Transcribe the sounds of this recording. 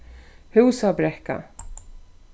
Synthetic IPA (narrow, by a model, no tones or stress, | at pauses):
hʉːsabɾɛhka̰